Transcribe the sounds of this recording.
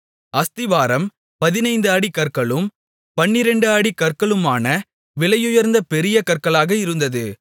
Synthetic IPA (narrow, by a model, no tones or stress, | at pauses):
ɐst̪ɪʋaːɾɐm | pɐðɪnɐɪnd̪ɯaːɽikɐɾkɐɭɯm | pɐnːɪɾɛɳɖɯaːɽikɐrkɐɭɯmaːnɐ | ʋɪlɐjʊjɐɾnd̪ɐpɛɾɪjɐkɐrkɐɭaːɣɐɪɾɯnd̪ɐðɯ